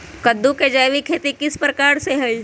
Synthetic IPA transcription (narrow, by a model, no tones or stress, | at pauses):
kəd̪ːuked͡ʒajʋikʰeːt̪ikɪspɾəkaːɾseɦɐi